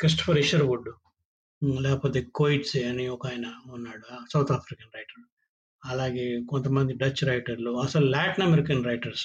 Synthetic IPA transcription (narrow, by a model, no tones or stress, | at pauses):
kɾis̬ʈɐ̥pʰɐɾiʃɐɾʋuɖu | lɛːkɐpoːt̪eːkojiʈsɐniɔkaːjnɐunːaːɽusɐwt̪ʰaːpʰɾikɐnɾɐjʈɐɾu | ɐlaːɡeːkont̪ɐmɐnd̪iɖɐt͡ʃːɾɐjʈɐɾluɐsɐlulaːʈinɐmeɾikɐnɾɐjʈɐɾs